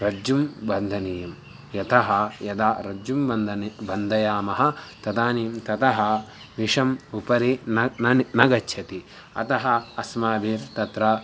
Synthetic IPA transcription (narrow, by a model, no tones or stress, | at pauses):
ɾɐd͡ʒumbɐnd̪ʱɐniːjɐm | jɐt̪ʰɐɦɐjɐd̪aːɾɐd͡ʒumbɐnd̪ɐnbɐnd̪ʱɐjaːmɐɦɐ̆t̪ɐd̪aːniːmt̪ɐt̪ɐɦɐ | ʋiʂɐmupɐɾi | nɐɡɐt͡ʃʃʰɐt̪i | ɐ̰t̪ɐɦɐːsmaːʋiːɾt̪ɐt̪ɾɐ